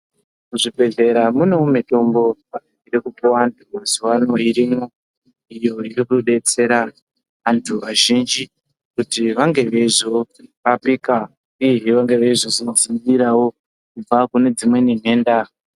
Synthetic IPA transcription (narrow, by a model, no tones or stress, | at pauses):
kuʐibʱe̞ɮe̞ɾamunoumito̞mbo̞aiɡiɾekupowantʰuaziwano̞iɾimo | ijo̞irikuɗe̞t͡se̞ɾa | ʋantʰuʋaʒind͡ʒi | kutiʋaŋɡe̞ʋe̞ʐo | ʋapika | iɦiʋaŋɡe̞ʋeiʐoʐino̞zimɡiɾawo̞ | kub͡vakune̞d͡zimwe̞nin̤e̞ːnda